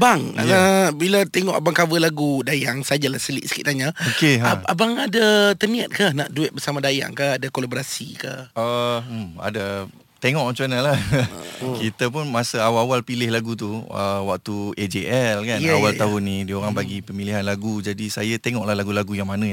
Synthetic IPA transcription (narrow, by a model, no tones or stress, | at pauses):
baŋ̰abilat̪eŋɔʔabaŋkawəlaɡudajaŋsad͡ʒalahsəlḭʔsə̥kḭt̪aɲaokeɦaabaŋadat̪əniat̪̚kahnaʔduɛt̪̚bəsamãdaja̰ŋkaadakolaboɾasḭka̰hə | a̰da | t̪eŋɔʔãt͡ʃuanalah | kit̪ap̬ʊnmasəawawalpilɪhlaɡut̪̬uəwak̚t̪ued͡ʒeʔɛlkanawalt̪aɦʊnːidioɾaŋbaɡipəmiliɦanlaɡud͡ʒadisajat̪eŋɔʔlahlaɡulaɡujaŋmanə̃